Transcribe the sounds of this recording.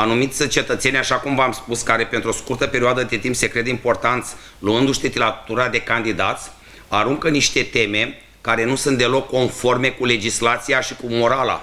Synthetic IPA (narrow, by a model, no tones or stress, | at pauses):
anumit̪sʲt͡ʃe̞t̪ət̪se̞nʲaʃakumvamspuskaɾe̞pe̞nt̪ɾoskurt̪əpe̞ɾioad̪əd̪et̪impse̞kɾe̞d̪eimpo̞rt̪ant̪sʲ | luɨnd̪uʃt̪et̪ilat̪uɾad̪e̞kand̪id̪at̪sʲ | aɾuŋkəniʃt̪e̞t̪e̞me̞ | kaɾe̞nusunt̪d̪e̞lo̞kːo̞nfo̞rme̞kule̞d͡ʒislat̪sijaʃikumo̞ɾala̰